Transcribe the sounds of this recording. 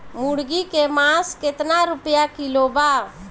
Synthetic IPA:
muɽɡikemãːskɪt̪naɾʊpjakiloːbaː

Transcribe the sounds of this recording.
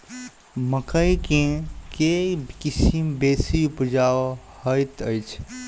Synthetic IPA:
məkəjkẽkekisimbesiupd͡ʒawhəjt̪əjt͡ʃʰ

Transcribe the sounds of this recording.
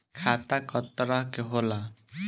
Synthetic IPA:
kʰat̪akɔt̪ːɔɾaɦkeɦola

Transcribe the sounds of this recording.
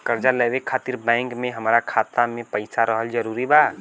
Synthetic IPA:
kəɾd͡ʒaleʋekʰaːt̪iɾbɛ̃ːŋkmẽɦəmɾakʰaːt̪amẽpəɪsaɾəɦəld͡ʒəɾuːɾibaː

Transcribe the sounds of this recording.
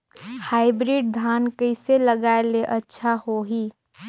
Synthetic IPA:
haːɪbɾiːɖ̚d̪ʱaːnkəɪseləɡaːeleʔətːʃʰahoɦiː

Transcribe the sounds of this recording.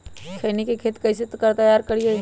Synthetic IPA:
kʰɐːnikekʰeːt̪kɐjset̪kɐɾt̪ɐjaːɾkɐɽie

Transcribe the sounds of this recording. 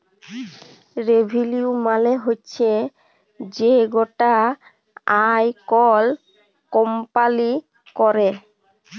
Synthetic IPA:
ɾebʱiliumaleɦotːɕʰe | d͡ʑeɡoʈa | ajkɔl | kɔmpali | kɔɾe

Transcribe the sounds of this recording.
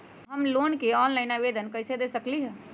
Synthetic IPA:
ɦəmloːnkeɔːnlaɪnaʋeːd̪ənkɐɪsed̪eːsəkliɦɛː

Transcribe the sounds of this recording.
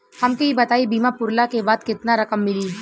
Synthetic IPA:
hɐmkeɦibɐt̪aːibiːmapʊɾlakebaːd̪kɪt̪naɾɐkəmːɪli

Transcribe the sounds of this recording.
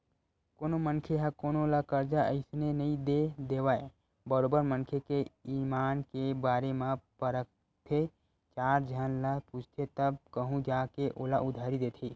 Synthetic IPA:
koːnomənkʰeɦɛkoːnooːlakəɾd͡ʒaə̰ɪsnenɐĩd̪ed̪eːwaːe | bəɾoːbəɾmənkʰekeiːmaːnkebaːɾemãpəɾək̚ | t̪ʰe | t͡ʃaːɾd͡ʒʱanlaput͡ʃʰt̪ʰet̪əbkəɦũd͡ʒaːkeʔoːlaʔʊd̪ʱaːɾid̪eːt̪ʰiː

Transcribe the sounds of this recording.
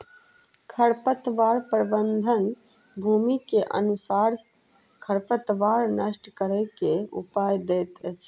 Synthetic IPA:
kʰəɾpət̪ʋaɾpɾəbənd̪ʱən | bʱumikeʔə̰nusaɾ | kʰəɾpət̪ʋaɾnəsʈʰkəɾəkeṵpajd̪ɛt̪t͡ʃʰ

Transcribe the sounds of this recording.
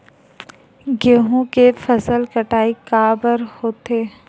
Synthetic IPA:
ɡeɦõkefʰəsəlkəʈaːikaːbəɾhoːt̪eː

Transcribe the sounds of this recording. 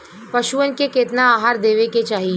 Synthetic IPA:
pɐʃuənkekeːt̪naaːɦaːɾd̪eːʋeket͡ʃaːɦi

